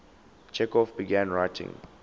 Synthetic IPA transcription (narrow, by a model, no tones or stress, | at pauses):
t͡ʃʰɛkɔfbiɡãnɹajtʰḭ̃ŋ